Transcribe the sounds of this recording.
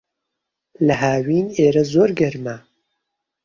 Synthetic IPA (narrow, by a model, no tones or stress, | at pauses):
lɐɦaːwiːneːɾɐzoːɾɡɐɾma